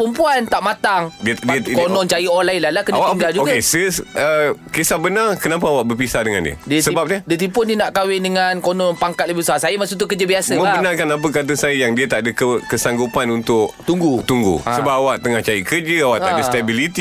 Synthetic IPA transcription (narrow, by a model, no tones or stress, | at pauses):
pəmpuant̪aʔmat̪aŋdidiəkonɔ̃nt͡ʃajiolailalakənawakndad͡ʒuoɡkesəsəkesahbənarkənap̬aawaʔbərpisahdəŋa̰ndḭə̰diəsəbap̚nədiət̪̬impʊndiənaʔkawɪndəŋankonɔnpaŋkat̪̚ləbbsaasajamasut̪ukərd͡ʒəbiasəməbənarkanap̬ək̬at̪̬əsajəjaŋdiət̪aʔdəkəkəsaŋɡupanunt̪ʊʔt̪uŋɡut̪uŋɡṵsəbapawaʔ̚t̪əŋaht͡ʃajiʔkərd͡ʒəawaʔt̪aadəst̪abilit̪i